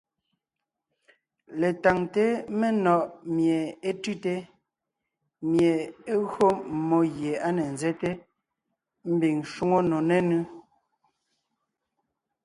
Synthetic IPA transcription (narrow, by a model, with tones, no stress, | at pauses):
le˨ta˨ŋte˦me˦nɔ˨ʔmje˨e˦tʉ˦te˦ | mje˨e˦ɣɰo˦mo˦ɣje˨a˦ne˨n˨zɛ˦te˦ | m̩˦bi˨ŋʃu˦ŋo˦no˨ne˦nʉ˦